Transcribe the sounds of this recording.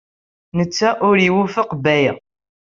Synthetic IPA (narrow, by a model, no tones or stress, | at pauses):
nət͡sːæʔʊɾiwufəqbæjæ